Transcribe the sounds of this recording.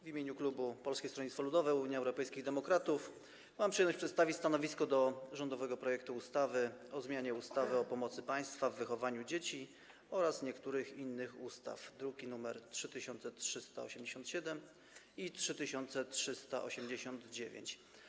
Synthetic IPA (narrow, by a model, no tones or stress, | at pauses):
vʲimʲjeɲuklubupɔlskʲest̪ɾɔɲit̪fɔlud̪ɔvɛuɲiɛwɾɔpɛjskʲiɣd̪ɛmɔkɾat̪uf | mampʂɨjɛmnɔɕt͡ɕpʂɛt̪st̪avʲist̪anɔvʲiskɔd̪ɔʐɔnd̪ɔvɛɡɔpɾɔjɛk̚t̪uːst̪avɘɔzmʲjaɲɛust̪avɘɔpɔmɔt̪sɘpaj̃st̪favːɘxɔvaɲud͡ʑet͡ɕi | ɔɾasɲɛkt̪uɾɘxinːɘxust̪a̰fd̪ɾuɡʲinumɛɾtʂɘt̪ɘɕɔnt̪sɛtʂɘst̪a̰ɔɕɛmd͡ʑeɕɔnt̪ɕɛd̪ɛm | itʂɘt̪ɘɕɔnt̪sɛtʂɘst̪a̰ʔɔ̰ɕɛmd͡ʑeɕɔnd̪d͡ʑevʲjḛɲt͡ɕ